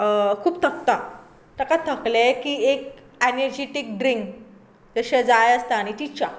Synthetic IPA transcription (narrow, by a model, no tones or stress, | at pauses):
kʰuːpt̪ʰəkt̪a | t̪akat̪ʰəklekiːek | enəɾd͡ʑiʈik̚ɖɾiŋk | d͡zəɕɛ̃d͡zajəst̪aaɽ̃it̪it͡ɕa